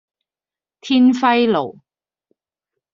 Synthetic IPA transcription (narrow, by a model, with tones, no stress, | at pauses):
t̪ʰiː˥nfɐ˥jlo̰˨˩w